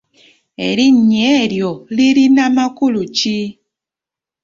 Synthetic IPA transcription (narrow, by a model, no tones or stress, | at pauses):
ḛɾiɲeɾjɔliɾinamakulut͡ʃi